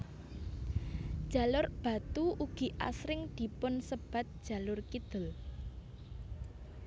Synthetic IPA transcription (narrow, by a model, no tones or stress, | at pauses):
d̥ʒ̥a̤lʊrb̥ä̤t̪uuɡ̥i̤ʔa̰sɾɪŋd̪̥i̤pʊnsəb̥a̤t̪̚d̥ʒ̥a̤lʊrkid̪̥ə̤l